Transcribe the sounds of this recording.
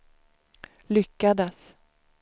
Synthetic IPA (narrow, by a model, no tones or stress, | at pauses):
lʏkːad̪əs